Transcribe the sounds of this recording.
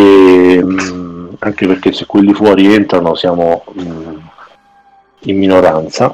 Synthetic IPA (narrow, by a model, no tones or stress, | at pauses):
e | aŋk̟eperk̟esːekːwelːifwɔːɾient̪ɾanosjaːmo | imːinoɾant̪sa